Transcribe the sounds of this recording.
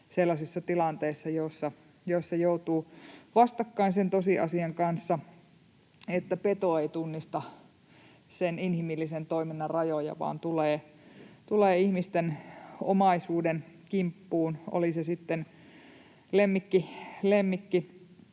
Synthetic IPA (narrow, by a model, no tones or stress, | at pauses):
selːɑsisːɑt̪ilɑnt̪eisːɑjosːɑ | jossɑjout̪uːʋɑst̪ɑkːɑinsent̪osiʔɑ̰siɑŋkɑnsːɑ | et̪ːæpet̪oeit̪unːist̪ɑ | seninhimilːisent̪oiminːɑrrɑjojɑ̰ʋɑ̰ːnt̪uleːt̪uleːihmist̪eno̰mɑisuːdenkimpːuːno̰lisesit̪ːen | lemːikːilemːikːi